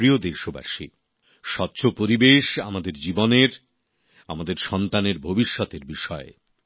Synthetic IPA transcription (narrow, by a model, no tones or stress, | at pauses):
ɾiod̪eʃoba̰ʃḭ | ʃɔtːɕʰopoɾibeʃa̰mad̪eɾd͡ʑiboneɾ | amad̪eɾʃɔnt̪aneɾbʱobiʃːɔt̪eɾbiʃɔe